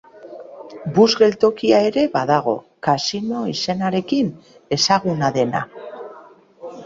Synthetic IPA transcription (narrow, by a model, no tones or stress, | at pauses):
buzɣe̞lt̪o̞kiae̞ɾe̞βaðaɣ̞o̞̰ | kasino̞ise̞naɾe̞kin | e̞saɣunaðe̞na̰